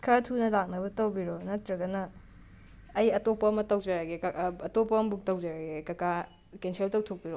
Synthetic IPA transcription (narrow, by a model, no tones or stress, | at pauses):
kʰɐɾatʰunɐlak̚nɐbɐtɐwbiɾonɐtɾɐɡɐnɐ | jɐtopɐɐmɐtɐwd͡ʒaɾaɡekɐtopɐmɐbuk̚tɐwd͡ʒaɾaɡekɐka | kensʰeltɐwtʰok̚biɾɔ